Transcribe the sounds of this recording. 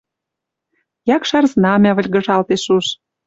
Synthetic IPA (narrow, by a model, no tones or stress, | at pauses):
jɑkʃɑrznɑmæβə̆lʲɣə̆ʒɑlt̪eʃuʃ